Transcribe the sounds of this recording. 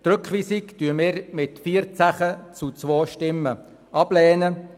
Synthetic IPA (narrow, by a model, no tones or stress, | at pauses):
t̪ɾʏkχʋisiktyːəmɪːɾmɪtfiːəɾt͡saχət͡sut͡sʋoːʃtɪmːə | ʔɑb̥lɛːnə